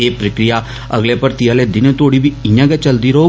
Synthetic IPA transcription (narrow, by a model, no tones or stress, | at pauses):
eːpɾəkɾɪjaː | əɡleːpəɾt̪ijaːleːd̪ɪnt̪oːɽiːbiɪ̃jãːɡɛt͡ʃəld̪iːɾəɦoː